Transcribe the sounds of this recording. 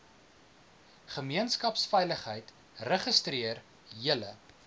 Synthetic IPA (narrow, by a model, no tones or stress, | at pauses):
χəmiənskɐpsfɛjləχɦəjt | rəχəstriər | iələ